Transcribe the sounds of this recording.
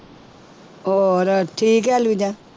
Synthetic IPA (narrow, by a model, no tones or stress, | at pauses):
oɾɔtik̬ɛlud͡ʒa